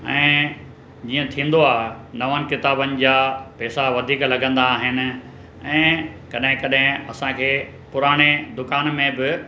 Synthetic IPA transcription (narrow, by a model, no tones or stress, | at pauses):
ɛ̃ː | d͡ʑiːə̃t̪ʰĩːn̆d̪oaːɦenɐʋənɪ̆kɪt̪aːbənɪ̆d͡ʑaːpɛːsaʋɐd̪ʱiːklɐɡə̃nd̪aːɦɪnɪ̆ | ɛ̃ːkɐɗɦɪ̃kɐɗɦɪ̃ɐsãkʰeː | pʊɾaːɽ̃ed̪ʊkaːnmẽbɪ